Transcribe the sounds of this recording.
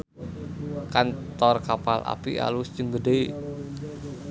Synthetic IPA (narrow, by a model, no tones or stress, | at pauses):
kant̪ɔrkapalʔa̰pḭa̰lusd͡ʒ̥əŋɡədej